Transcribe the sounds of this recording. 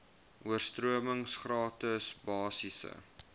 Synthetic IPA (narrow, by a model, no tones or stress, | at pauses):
uərstruəməŋsχrɑːtəsbɑːsisə̰